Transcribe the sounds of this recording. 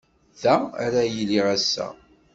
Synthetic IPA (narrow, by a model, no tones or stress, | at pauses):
ðææ̰ɾæjliʁæsːæ̰